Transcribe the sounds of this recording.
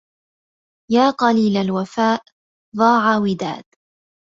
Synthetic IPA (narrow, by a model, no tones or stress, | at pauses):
jaːqɑliːlalwafaːʔ | ðˤɑːʕawɪd̪a̰ːd̪